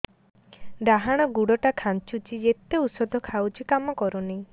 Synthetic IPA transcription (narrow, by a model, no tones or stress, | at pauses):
ɖaɦaɽ̃ɔɡuɽɔʈakʰant͡ʃut͡ʃʰid͡ʒet̪eusɔd̪ʱɔkʰawt͡ʃʰikamɔkɔɾunej